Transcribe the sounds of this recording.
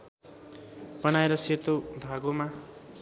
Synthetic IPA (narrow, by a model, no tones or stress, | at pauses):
b̥ʌnaeɾʌset̪ob̪ʱaɡoma